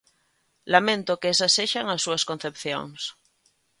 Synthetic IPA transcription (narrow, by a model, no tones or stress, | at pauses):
lamẽnt̪okeesasːeʃaŋasːuaskon̟θepθjo̰ŋs